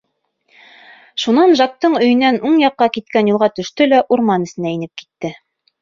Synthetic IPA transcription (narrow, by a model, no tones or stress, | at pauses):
ʃunɑnʒɑk̚t̪ɤɴɵ̆jɘ̆nːænuɴjɑqːɑkit̪̚kænjulˠʁɑt̪ɵ̆ʃt̪ɵlæʔuɾmɑnɘ̆sɘ̆næinɘp̚ki̥t̪ːɘ